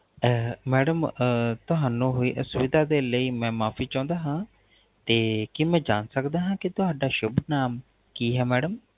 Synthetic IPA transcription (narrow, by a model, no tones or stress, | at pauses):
mɛːɖəmt̪ʊɦaːnũːɦoːiːʔəsʊʋɪd̪aːd̪eːləiːmɛ̃ːmaːpʰiːt͡ʃãːnd̪aːɦãː | t̪eːkɪmɛ̃ːd͡ʒaːnsəkd̪aːɦãːkɪt̪ʊɦaːɖaːʃʊbnaːm | kiːɦɛːmɛːɖəm